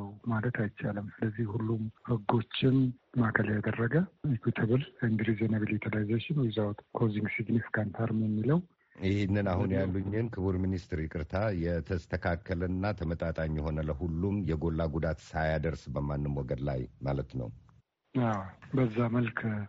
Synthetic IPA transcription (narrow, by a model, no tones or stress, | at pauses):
wmalət̪ʰajt͡ʃaləmsɨləzːihhulːumhɨɡo̞t͡ʃːɪnmakʰəljad̪ərːəɡəikwit̪ʰəβɨlend̪ɾizenəβəljɛt̪ʰəlazat͡ʃːɪnwizawt̪kʰoziŋɡsiɡnifikant̪ʰaɾɨmjɛmːiləw | ɪhɪnːɨnahunjalːuɲːɪnkʰɨβuɾminist̪ɾɪkʼɨɾt̪ʰajɛt̪ʰəst̪ʰəkʰakʰːələnːat̪ʰəmət̪ʼat̪ʼaɲːɛho̞nələhulːumjɛɡo̞lːaɡud̪at̪sajad̪əɾsbəmanːɨmwɔɡəd̪la̰jmalət̪nə̰w | awbəzːaməlkʰ